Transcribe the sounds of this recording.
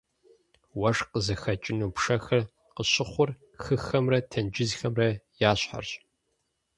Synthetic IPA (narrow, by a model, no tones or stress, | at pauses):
wɐʂqəzɐxɐt͡ʃʼɪnuːpʰʂɐxɐr | qəɕɪχʷʊr | xɨxɐmrɐtʰɐnd͡ʒɪzxɐmrɐjaːɕħa̰rɕʼ